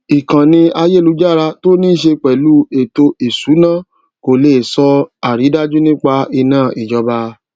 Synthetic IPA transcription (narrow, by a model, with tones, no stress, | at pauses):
i˨kã˨nĩ˧a˧je˦˨lu˨˧˦d͡ʒa˦˨ɾa˧to˦nĩ˦ʃe˧k͡pɛ˨lu˨˦e˨to˧e˨su˨˦nã˦˨ | ko˨le˨sɔ˧a˨ɾi˨˦da˦d͡ʒu˦nĩ˦k͡pa˧i˧nãː˦˨ʔi˨d͡ʒɔ˧ba˧